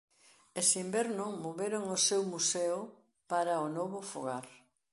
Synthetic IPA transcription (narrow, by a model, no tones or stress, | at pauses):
esimbɛɾnomoβeɾoŋosewmuseʊ | paɾɐʊnɔβʊfo̰ɣaɾ